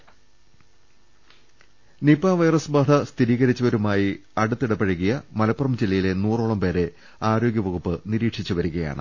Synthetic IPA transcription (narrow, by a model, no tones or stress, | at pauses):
nipaːʋɐjrɐsbaːd̪ʰɐst̪ʰiɾiːɣɐɾit͡ɕːɐʋɐɾumaːjiɐɽut̪ːiɽɐpɐɻɐɣijɐmɐlɐpːurɐmd͡ʑilːɐjile̞nuːroːɭɐmpe̞ːɾe̞ | aːɾo̞ːɡjɐʋɐɣupːɨniɾiːʈʂit͡ɕːuʋɐɾuɣɐja̰ːɳɨ̰